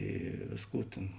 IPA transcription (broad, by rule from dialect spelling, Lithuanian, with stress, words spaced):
ˈiː ˈʋʲeːsˌkuː tʲeːn